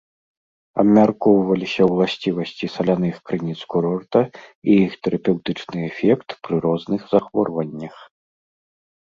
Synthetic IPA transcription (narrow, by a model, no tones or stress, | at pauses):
ɐ̰bmʲarkɔwvɐlʲisʲɐwlˠasʲt͡sʲivɐsʲt͡sʲisɐlʲanɨxkɾɨnʲit̪skuɾɔrt̪ɐijixt̪ɛɾʔɐpʲɛwt̪ɨt͡ʂnɨɛfʲɛkt̪pɾɨɾɔznɨxzaxvɔrvɐnʲːɐx